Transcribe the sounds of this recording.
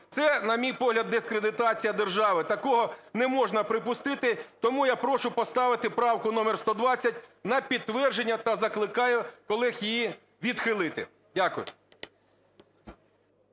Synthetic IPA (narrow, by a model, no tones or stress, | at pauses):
t̪sɛnɐmʲijpɔɦlʲɐd̪ːɪskɾed̪ɪt̪ɑt͡sʲijɐd̪erʒɑʋɪt̪ɐkɔɦɔnɛmɔʒnɐpɾɪpʊst̪ɪt̪ɪt̪ɔmujapɾɔʃʊpɔst̪ɑʋɪt̪ɪpɾɑwkʊnɔmɛrst̪ɔd̪ʋɑt͡sʲːɐt̚ʲnɐpʲid̪̚t̪ːʋɛrʒenʲːɐt̪ɐzɐklˠɪkɑjʊkɔlˠɪxjiji | ʋʲid̪xɪlˠɪt̪ɪ̰ | dʲakʊjʊ̰